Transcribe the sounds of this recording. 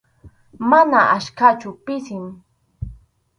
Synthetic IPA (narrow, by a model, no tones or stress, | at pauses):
manaʔaʃkat͡ʃʊpɪsɪm